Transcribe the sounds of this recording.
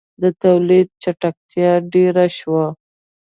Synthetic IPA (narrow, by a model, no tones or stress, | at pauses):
d̪ət̪awlid̪̚t͡ʃaʈak̚t̪jɑɖeɾaʃwa